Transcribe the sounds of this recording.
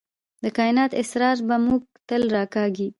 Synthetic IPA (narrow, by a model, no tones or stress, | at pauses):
d̪əkɑɪnɑt̪ɪsɾɑɾbamuɡ̚t̪əlɾɑkɑɡi